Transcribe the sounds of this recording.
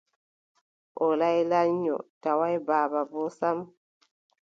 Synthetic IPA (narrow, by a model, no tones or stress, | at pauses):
ʔɔlajlaɲːɔ̰tawajbaːbabɔsam